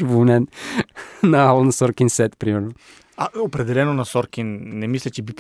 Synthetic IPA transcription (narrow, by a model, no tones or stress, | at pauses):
vnɛn | nɐalˠnɐsɔɾkinsɛt̪pɾimɛɾno | aopɾɛd̪ɛlɛnonɐsɔɾkʲinnɛmislʲɛt͡ʃɛbip